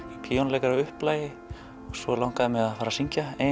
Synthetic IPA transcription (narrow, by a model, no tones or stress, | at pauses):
pʰiːɔnlejkaɾaʏhplaːjɪ | ɔɣsvɔlawŋ̥kaðɪmɛðaðfaːɾasiɲcae